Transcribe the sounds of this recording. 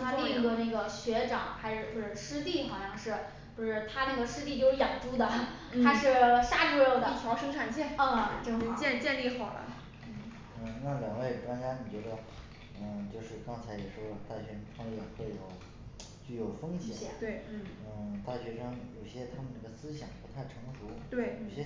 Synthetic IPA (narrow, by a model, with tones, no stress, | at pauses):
a˥li˥˧ŋ˧˥ɡə˧na˥˩ɡə˩ɕɥɛ˧˥ʈ͡ʂɑ̰˨˩˦ŋxa˧˥ɪʂɻ̩˥˩xwɔ˥˩ʈ͡ʂə˨˩ʂɻ̩˥t̪i˥˩xɑ˨˩ʊɕjɑ˥˧ŋʂɻ̩˥˩ | pu˧˥ʂɻ̩˥˩t̪ʰa˥na˥˩ɡə˩ʂɻ̩˥t̪i˥˧t͡ɕjo˥˧ʊʂɻ̩˥˧jɑ˨˩ŋʈ͡ʂu˥d̪ə˨˥ | a˥ʂɻ̩˥˩ʂa˥˩ʈ͡ʂu˥˧jo˥˩d̪ə˥˩t͡ɕʰɑ˧˥ʊʂɤ˥ŋʈ͡ʂʰa˨˩nt͡ɕɛ˥˩n˥˧ʈ͡ʂt͡ɕɛ˥˧nt͡ɕjɛ˥˧nli˥˩xɑ˨˩ʊlə̰˦˥˩ | ə˧˩na˥˩ljɑ˨˩ŋwe˥˩ɪ˩ʈ͡ʂwa˥nt͡ɕja˥ni˨˩t͡ɕɥɛ˧˥d̪ə˧ | ə˥˧˩t͡ɕjo˥˧ʊʂɻ̩˥˩kɑ˥ŋt͡sʰa˧˥ɪjɛ˨˩ʂwɔ˥lə˧t̪a˥˩ɕɥɛ˧˥pʰɑ˥ŋ˥˩ɛ˨˩xwe˥˩ɪjo˨˩˦ʊ | t͡ɕy˥˩jo˨˩ʊfɤ˥ŋɕjɛ˨˩ɕjɛ̰˨˩˦t̪we˥˩ɪ˥˩ə˥˧˩t̪a˥˩ɕɥɛ˧˥ʂɤ˥ŋjo˨˩ʊɕjɛ˥t̪ʰa˥mə˧nnə˥˩ɡə˩sɹ̩˥ɕjɑ˨˩ŋpu˧˥t̪ʰa˥˩ɪʈ͡ʂʰɤ˧˥ŋsu˧˥t̪we˥˩ɪjo˨˩ʊɕjɛ˥